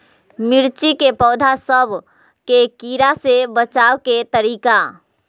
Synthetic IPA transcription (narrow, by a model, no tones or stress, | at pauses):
mɪɾt͡ʃikepɔːd̪ʱasəbʱ | kekiːɾasebət͡ʃaːwket̪əɾiːka